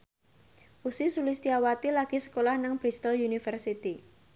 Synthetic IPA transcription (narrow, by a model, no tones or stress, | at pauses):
ʔusisulist̪iawat̪ilaɡ̥isə̥kolahnaŋb̥ɾist̪əlunifərsit̪i